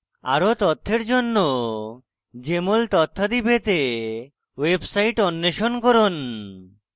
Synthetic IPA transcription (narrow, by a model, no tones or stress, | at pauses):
a̰ɾot̪ɔt̪ʰːeɾd͡ʑonːo | d͡ʑemolt̪ɔt̪ʰːad̪ibet̪e | websajʈɔnːeʃonkoɾon